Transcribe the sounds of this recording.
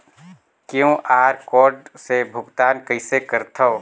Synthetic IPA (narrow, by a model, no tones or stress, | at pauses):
kjõːʔaːɾkɔːɾɖsebʱʊɡt̪aːnkəɪsekəɾt̪ʰəo